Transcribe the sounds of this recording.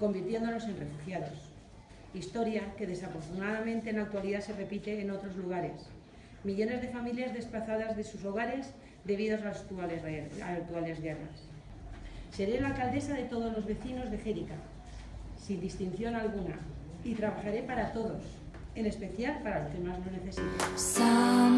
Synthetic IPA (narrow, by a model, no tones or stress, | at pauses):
ko̞mbiɾt̪je̞nd̪o̞no̞se̞nre̞fuxjaðo̞s | ist̪o̞ɾjake̞ð̞e̞safo̞ɾt̪unaðamẽnt̪e̞ːnak̚t̪waliðase̞re̞pit̪e̞ːno̞t̪ɾo̞zluɣ̞aɾe̞s | miʎo̞ne̞zðe̞familjazðe̞splaθaðazðe̞suso̞ɣ̞aɾe̞z | ðe̞β̞iðo̞sat̪ualaak̚t̪uale̞zɣe̞ra̰s | se̞ɾelalkald̪e̞saðe̞t̪o̞ð̞o̞zlo̞zβe̞θino̞zðe̞xeɾika | sind̪ist̪in̟θjo̞nalɣ̞una̰ | it̪ɾaβaxaɾe̞paɾat̪o̞ðo̞s | e̞ne̞spe̞θjalpaɾalo̞ske̞mazno̞ne̞θe̞sit̪asa